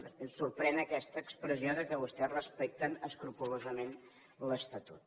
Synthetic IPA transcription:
surpɾɛnəkɛst̪əːkspɾəzioðəkəβust̪ɛrəspɛk̚t̪ənəskɾupulozəmen | ləst̪ət̪ut̪̚

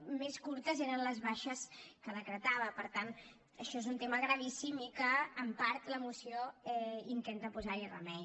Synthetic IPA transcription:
meskuɾt̪əzeɾənləzβaʃəskəðəkɾət̪aβəpəɾt̪an | əʃɔezunt̪eməɣɾəβisimikəːmpaɾt̪ləmusioɛint̪ent̪əpuzairə̰mɛ

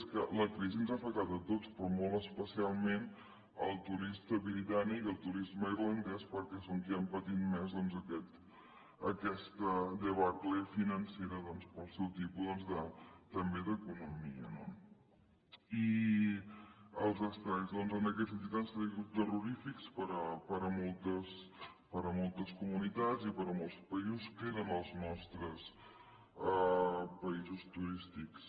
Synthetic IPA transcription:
skələkɾiziənzafək̚t̪at̪ət̪ot͡spɾɔmolˠəspəsialˠmen | əlˠt̪uɾist̪əβɾit̪anikəlˠt̪uɾizməiɾlənd̪ɛspəɾkɛsoŋkiəmpət̪it̪mɛzðɔnzəkɛt̪ | əkɛst̪əd̪əβaɾklefinənseɾəðɔnspəlˠsɛwt̪ipuzðɔnzðət̪ːəmbeðəkunumiə̰no | i | əlˠzəst̪ajzðɔnzənəkɛt̪sənt̪̬it̪ansəɾiɣut̪əruɾifikspəɾəpəɾəmɔlˠt̪əs | pəɾəmɔlˠt̪əskumunit̪azipəɾəmɔlˠspəizuskeɾənəlˠznɔst̪ɾəs | əpəizust̪uɾist̪iks

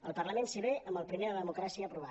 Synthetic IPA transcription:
əlˠpərləmẽnseβeʔəmbəlˠpɾimeðəəðəmukɾasiəːpɾuβ̞a

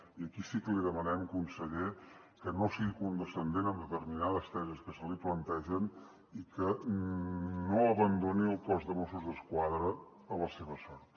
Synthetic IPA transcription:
iəkisikəliðəmənɛmkunsəʎekənosiɣikund̪əsənd̪enəmd̪ət̪ərminaðəst̪ɛzəskəsəliplənt̪ɛʒən | ikə | noəβənd̪oniəlˠpɔzd̪əmosuzðəskwaðɾəː | ləseβəsɔɾt̪

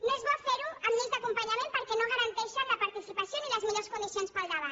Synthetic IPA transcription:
nozβɔfeɾuəmːizðəkumpəɲamẽmpəɾkɛnoɣəɾənt̪ɛʃələpɐɾt̪isipəsioniləzmiʎoskund̪isionspəlˠd̪əβat̪

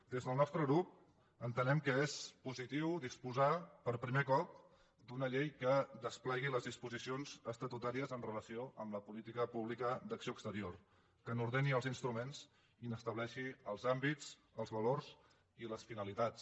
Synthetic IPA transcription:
d̪ezðəlˠnɔst̪ɾəɣɾup̚ | ənt̪ənɛmkəespuzit̪iwd̪ispuzapəɾpɾimekɔp̚ | d̪unəʎejkəd̪əsplɛɣiləzðispuzisionzəst̪ət̪ut̪aɾiəzənrələsioʔəmləpulit̪ikəpuβlikəd̪əksioəkst̪əɾior | kənuɾð̞eniəlˠzinst̪ɾumenz | inəst̪əβlɛʃiəlˠzambit͡s | əlˠzβəlorz | iləsfinəlit̪as

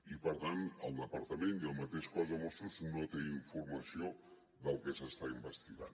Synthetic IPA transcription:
ipəɾt̪anəlˠd̪əpəɾt̪əmeniəlˠmət̪eʃkɔzəmɔst̪ɾuznot̪eiɱfuɾməsio | ðəlˠkɛsəst̪aimbəst̪iɣa̰n

